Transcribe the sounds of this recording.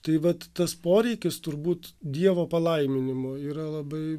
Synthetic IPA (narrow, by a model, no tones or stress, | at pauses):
t̪ɐɪʋɐt̪t̪ɐspoːɾʲɛɪkʲɪst̪ʊɾbuːt̪d̪ʲiɛʋoːpɐlˠɐɪmʲɪnʲɪmoːiːɾɐlˠɐbɐɪ